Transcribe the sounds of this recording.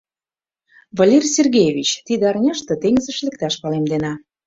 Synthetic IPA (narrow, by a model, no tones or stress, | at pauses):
vɑlʲerʲsʲerɣʲejeβʲit͡ɕt̪id̪ĕɑrnʲɤ̆ʃt̪ɤ̆t̪eŋzə̆ʃlek̚t̪ɑʃpɑlemd̪enɑ